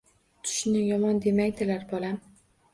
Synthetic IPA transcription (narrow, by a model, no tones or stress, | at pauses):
t̪ʰʊ̥ʃnɪjɒmɒnd̪e̞majd̪ɪlaɾbɒlˠam